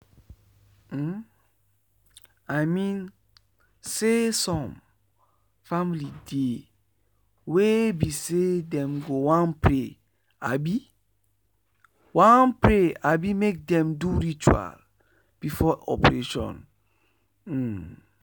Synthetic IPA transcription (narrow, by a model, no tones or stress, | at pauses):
ajmĩn | sesɔ̃m | familide | webisedɛ̃mɡowãnpɹe | a̰bi | wãnpɹeabimek̚dɛ̃mduɹit͡ʃua̰l | b̥ifɔɔ̰pɹeʃɔ̰̃n